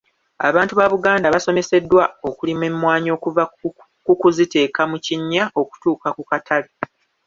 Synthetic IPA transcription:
a̰βaːntuβaβuɡaːndaβaso̞me̞se̞dːwao̞kulimemːwaːɲo̞ːkuva | kukuzite̞ːkamuciɲːaʔo̞ku̥tuːkakukatʰale

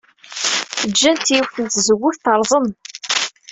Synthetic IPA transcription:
θəd͡ʒːænt̪ːiiwθənt̪zəɡʷːʊθθəɾˤzˤən

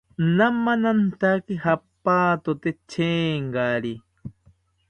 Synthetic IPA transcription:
namːanant̪akihapːaːt̪ot̪et͡ʃʰeːŋɡaɾi

